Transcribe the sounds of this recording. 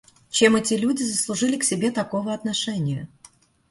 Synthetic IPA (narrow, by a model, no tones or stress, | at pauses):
t͡ɕe̞mɛtʲɪlʲudʲɪzəslˠʊʐɨlʲɪksʲɪbʲe̞t̪ɐko̞vəɐt̪nɐʂɛnʲɪjə